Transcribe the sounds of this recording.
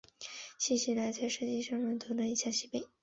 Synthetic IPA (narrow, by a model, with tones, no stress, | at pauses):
ɕi˥˧ɕy˥˩la˧˥ɪt͡sa˥ɪʂɤ˥˧t͡ɕi˥˧ʂɑ˥˩ŋɻə˥˩nt̪ʰo˧˥d̪ə˧i˧˥ɕja˥˩ɕi˥˩pe˥˩ɪ